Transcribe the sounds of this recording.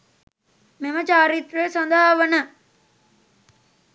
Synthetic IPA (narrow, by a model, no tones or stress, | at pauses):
memət͡ʃaːɾit̪ɾəjəsɔnd̪ʱaaʋənə